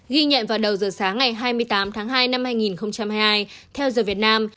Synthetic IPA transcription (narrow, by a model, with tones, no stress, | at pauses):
ɣi˧ɲə̰˧˨nvaː˨˩wɗə˨˩wzəː˨˩saː˨˦ŋːa˨˩jɦaː˧jmɨ˧əjt̪aː˨˦mt̪ʰaː˨˦ŋɦaː˧jna˧mhaː˧jŋi˨˩nxə˧wŋ͡mt͡ɕa˧mhaː˧jhaː˧jt̪ʰɛ˧wzəː˨˩vi˨˩ət̚naː˧m